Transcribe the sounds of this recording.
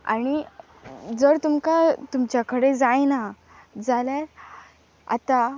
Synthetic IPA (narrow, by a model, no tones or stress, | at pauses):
a̰ɽ̃i | d͡zəɾt̪umkat̪umt͡ɕjakəɽed͡zajna | d͡zaljaɾ | a̰t̪a